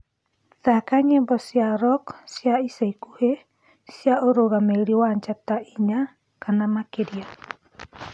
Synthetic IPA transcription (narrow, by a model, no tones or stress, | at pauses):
takaɲebɔsiaɾɔksiaisaikuhe | siaoɾoɣameɾiwaɲt͡ʃat̪aiɲa | kanamakedia